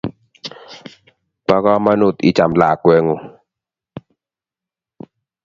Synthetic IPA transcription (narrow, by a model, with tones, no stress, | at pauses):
pa˦kɔ˦ma˦nu˦˨t̪ḭ˦t͡ʃa˨mla˨kwɛ˦ŋo˨